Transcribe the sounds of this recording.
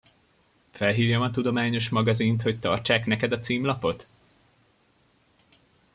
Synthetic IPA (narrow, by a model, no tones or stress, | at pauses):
fɛlɦiːvjɒmɒt̪ud̪o̞maːɲo̞ʃmɒɡɒzint̪ho̞ct̪ɒ̰rt͡ʃaːknɛkɛd̪ɒt̪siːmlɒpo̞t̪